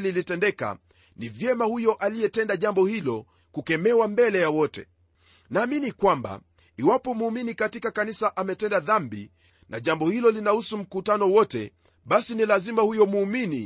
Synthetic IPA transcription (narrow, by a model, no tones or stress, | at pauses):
lilitɛndɛka̰ | nivjɛmahujɔʔalijɛtɛndaʄambɔhilɔ | kukɛmɛwambɛlɛjawɔtɛ̰ | naːminikwamba̰ | iwapɔmuːminikatikakanisaʔamɛtɛndaðambḭ | na̰ʄambɔhilɔlinahusum̩kutanɔwɔtɛ̰ | ɓasinilazimahujɔmuːmini